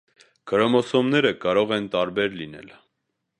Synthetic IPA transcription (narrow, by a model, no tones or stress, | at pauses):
ɡ̥ʰəɾɔmɔsɔmnɛɾəkɑɾɔʁɛnt̪ɑɾbɛɾlinɛ̰l